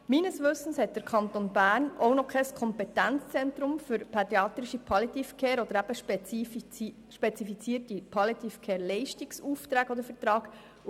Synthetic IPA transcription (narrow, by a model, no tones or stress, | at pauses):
miːnəsʋɵstən̩shɛt̚d̪̥əɾkʰɑnt̪onbæːɾnownɔkʰɛskʰɔmpɛt̪ænt͡st͡sɛntɾʊmfʏɾpʰɛd̪ɾiɑːt̪ɾɪʃipʰɑlit̪ifkʰeːɾɔd̪əɾæb̥əʃp | ʃpɛt͡sifit͡siːəɾtipʰɑlit̪ifkʰeːɾlɛɪʃtiksuft̪ɾæːɡɔd̪əɾfət̪ɾɑːɡ̥